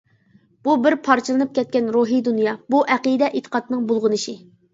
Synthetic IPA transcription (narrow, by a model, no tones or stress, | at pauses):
b̥ubɪɾpʰɑɾt͡ʃʰɨlˠɨnɨp̚kʲʰɛt̪̚kʲɛnɾuɦid̪unjɑbuʔæqid̪ɛʔet̪ʰə̥qʰɑt̪nɨŋbolˠʁənɨʃi